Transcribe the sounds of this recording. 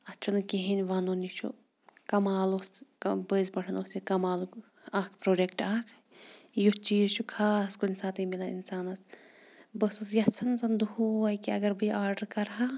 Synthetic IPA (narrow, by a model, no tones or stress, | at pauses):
ɐt͡ʃʰunɨkeɦinʲʋanonit͡ʃʰṵ | kɐmaːlosbəzbɐʈʰɐnosikɐmaːlu | aːkʰpɾoːɖekʈaːkʰ | jut͡ʃiːzt͡ʃʰukʰaːskunʲsaːt̪ɨmilaḭnsaːnɐs | bəsɐsjɐt͡sʰɐnt͡sɐnd̪uɦuʋɐjkiɐɡɐɾbɨʔaːɾɖɐɾkɐɾɦa